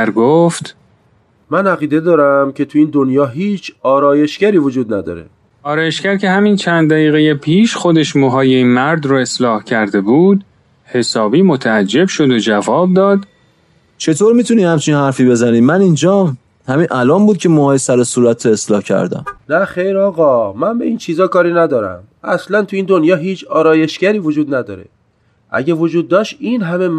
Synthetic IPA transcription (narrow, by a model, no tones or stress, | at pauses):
æɾɡoːft̪ | mænæɣiːd̪e̞d̪ɒːɾæmcʰe̞t̪ʰuiːnd̪onjɒːɦiːt͡ʃʰɒːɾɒːje̞ʃcæɾiːvod͡ʒuːd̪næd̪ɒ̰ːɾḛ | ɒːɾɒːje̞ʃcæɾcʰe̞hæmint͡ʃʰænd̪d̪æɣiːɣejepʰiːʃxod̪e̞ʃmoɦɒːjeinmæɾd̪ɾɔe̞slɒːhcʰæɾd̪e̞buːd̪ | he̞sɒːbiːmot̪ʰææd͡ʒːe̞bʃo̞d̪od͡ʒævɒːb̚d̪ɒːd̪ | t͡ʃʰe̞t̪ʰoɾmiːt̪ʰuniːhæmt͡ʃʰinhæɾfiːbe̞zæniːmænind͡ʒɒː | hæminʔælɒːmbuːd̪̚cʰe̞mohɒːjesæɾosuːɾæt̪ʰɾoe̞slɒːhcʰæ̰ɾd̪æ̰mnæxejɾɒːɣɒːmænbe̞iːnt͡ʃʰiːzɒːkɒːɾiːnæd̪ɒːɾæ̰m | æslænt̪ʰuiːnd̪onjɒːɦiːt͡ʃʰɒːɾɒːje̞ʃɡæɾiːvod͡ʒuːd̪næd̪ɒ̰ːɾḛ | ʔæ̰ɟævod͡ʒuːd̪̚ːɒːʃt̪iːnɦæme̞m